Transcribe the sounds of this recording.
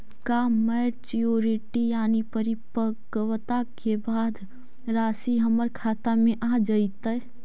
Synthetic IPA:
kaməːɾt͡ʃioːɾiʈijaːnipəɾipəkwət̪akʰebaːd̪ | ɾaːsiɦəməɾkʰaːt̪amẽʔad͡ʒəit̪ə

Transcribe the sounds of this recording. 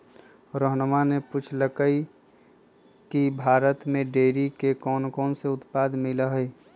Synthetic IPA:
ɾəɦnmaneput͡ʃʰləkəi | kibʱaːɾət̪mẽɖeːɾikekɔːnkɔːnseʊt̪paːd̪mɪlaɦɛː

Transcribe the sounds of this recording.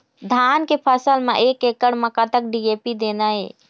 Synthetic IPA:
d̪ʱankepʰəsəlmeʔekekəɽməkat̪ək̚ɖiepid̪enəe

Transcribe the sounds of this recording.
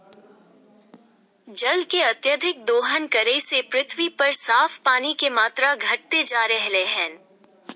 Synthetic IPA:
d͡ʒɐlkeɐt̪jəd̪ʱɪk̚d̪oːɦənkɐɾeisepɾɪt̪ʰwipɐɾsaːfpaːnikemaːt̪ɾaɡʱɐʈ̚t̪ed͡ʒaːɾɛɦleɦɛ̃ː

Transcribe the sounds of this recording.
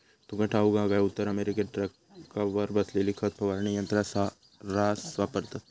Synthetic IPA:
t̪oɡɐ̃ʈʰaːuɡãːɡaʊt̪ːəɾɐmeːɾikeʈɾɐk | kːaʋɐɾbɐslelɪkʰət̪̚pɐʋaːɾɳ̃ijɐ̃nt̪ɾasa | ɾaːsʋaːpəɾt̪

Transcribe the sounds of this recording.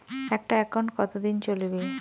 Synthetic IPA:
ɛk̚ʈaɛkʰonkɔt̪od̪int͡ɕolibe

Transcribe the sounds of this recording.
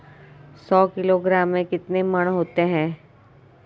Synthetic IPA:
sɔːkɪloɡɾaːmːẽkɪt̪nemɐɽ̃ɦoːt̪eɦɛ̃ː

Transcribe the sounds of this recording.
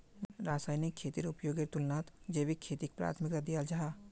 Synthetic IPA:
ɾaːsaːjnikʰːeːt̪iɾʊpjoːɡeɾt̪ʊlnaːt̪d͡ʒeːʋikʰːeːt̪ik̚pɾa̰ːt̪ʰmɪkad̪ijald͡ʒaɦaː

